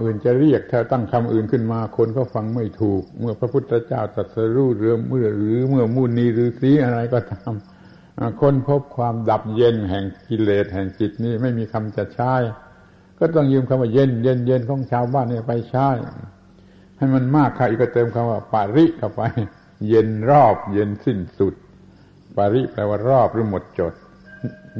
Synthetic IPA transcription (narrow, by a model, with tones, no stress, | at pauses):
ʔɯː˨˩nt͡ɕa˨ɾi˥˩ək̚t̪ʰaː˧˩˧t̪a˥˩ŋkʰa˧mʔɯː˨˩nkʰɯ˧˥˩nmaː˧kʰo˧nkʰɔː˥˩fa˧ŋma˥˩jt̪ʰuː˨˩k̚mɯ˥˩ɐpʰɾa˧pʰu˥˩t̪ʰːa˧t͡ɕaː˥˩wt̪a˨˩t̪̚sa˧ɾuː˧˩ɾɯ˨˧˦mɯ˧˩ɐɾɯː˨˦mɯ˥˩ɐmuː˧˩niː˧˥ɾɯː˨˦siː˨˦ʔa˧ɾa˧jkɔː˧˩t̪aː˧˥m | ʔa˧˩kʰo˧˥˨npʰo˦˥˩p̚kʰwaː˧mda˨˩p̚je˧nɦɛ˨˩ŋki˧leː˨˩t̪̚hɛː˨˩ŋt͡ɕi˨˩t̪̚niː˧˥˩ma˥˩jmiː˧kʰa˧mt͡ɕa˨˩t͡ɕʰaː˧˥˨j | kɔː˥˩t̪̬ɔ˥˩ŋjɯː˧mkʰa˧waː˧˩je˧nje˧nje˧nkʰɔː˨˦ŋt͡ɕʰaː˧wbaː˥˩˨nːiː˧˩pa˧jt͡ɕʰa˧˥˨j | ha˥˩jma˧nmaː˥˩kʰːa˧˩ʔiː˨˩kːɔː˧˩t̪ɤː˧mkʰa˧waː˧˩pa˨˧˩ɾi˦˥ʔkʰa˧˩pa˧j | je˧nɾɔː˥˩p̚je˧nsi˥˩nsu˨˩t̪̚ | paː˨˧ɾi˦˥plɛː˧waː˧˥˩ɾɔː˥˩p̚ɾɯː˧˦mo˨˦t̪̚t͡ɕo˨˩t̪̚